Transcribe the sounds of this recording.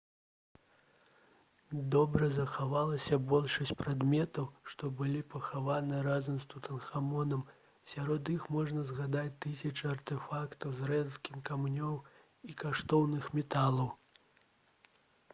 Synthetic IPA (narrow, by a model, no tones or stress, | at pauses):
d̪ɔbɾɐzɐxavalˠɐsʲɐbɔlʲʂɐsʲt͡sʲpɾad̪mʲɛt̪ɐwʂt̪ɔbɨlʲipɐxavanɨɾazɐmst̪ut̪ɐnxamɔnɐm | sʲaɾɔd̪ixmɔʐnɐzɣad̪at͡sʲt̪ɨsʲɐt͡ʂɨɐrt̪ɛfakt̪ɐwzrɛnskʲimkamnʲɔw | ikaʂt̪ɔwnɨxmʲɛt̪alˠɐw